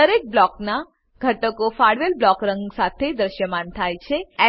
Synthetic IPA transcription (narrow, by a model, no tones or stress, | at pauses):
əɾek̚blɔkna | ɡʱəʈəkofaɽʋelblɔkɾəŋɡsat̪ʰed̪ɾəʃjəmant̪ʰajt͡ʃʰeɛ